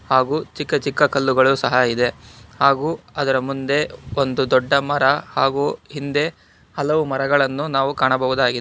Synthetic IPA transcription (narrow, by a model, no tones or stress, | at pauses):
haːɡuːt͡ʃikːɐt͡ʃikːɐkɐlːuɡɐɭusɐɦɐid̪e̞haːɡuːɐd̪ɐɾɐmund̪e̞ond̪ud̪ɔɖːɐmɐɾɐhaːɡuːhind̪e̞ | hɐlɐʋumɐɾɐɡɐɭɐnːunaːʋukaːɳɐbɐʋud̪aːɡid̪